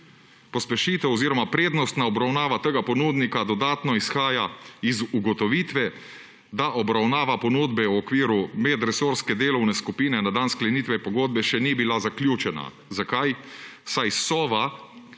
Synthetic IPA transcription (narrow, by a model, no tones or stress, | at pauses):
pɔspɛʃiːt̪ɛwɔziːɾɔmapɾeːd̪nɔst̪naɔbɾawnaːʋat̪əɡapɔnuːd̪nikad̪ɔd̪aːt̪nɔisxaːjaizuɡɔt̪ɔʋiːt̪ʋɛ | d̪aʔɔbɾawnaːʋapɔnud̪bɛwɔkʋiːɾumɛd̪ɾɛsoɾskɛd̪eːlɔwnɛskupiːnɛnad̪ansklɛniːt̪ʋɛpɔɡoːd̪̚bɛʃɛnibilazaklʲjuːt͡ʃɛna̰ | zakajsajsɔːʋa